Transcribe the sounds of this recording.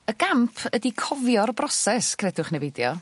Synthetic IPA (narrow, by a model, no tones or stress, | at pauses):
əɡampʰədikʰɔvjɔrbrɔsɛskʰrɛdʊχnɛvɪdjɔ̰